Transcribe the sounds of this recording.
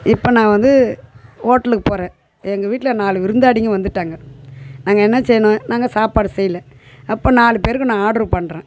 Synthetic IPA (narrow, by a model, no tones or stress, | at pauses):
ɪpːoːnãːʋɐnd̪ɯ | oːʈːɐlɯkːɯpoːɾẽː | ɛŋɡɐʋiːʈːɪlɐnaːlɯʋɪɾɯnd̪aːɽɪŋɡɐʋɐnd̪ɯʈːaːŋɡɐnaːŋɡɐɛnːɐsɛjːɐnõːnaːŋɡɐsaːpaːɽɯsɛjːɪlɛ̃ | ɐpːoːnaːlɯpeːɾɯkːɯnãːaːɽɯɾɯpɐɳːɾẽː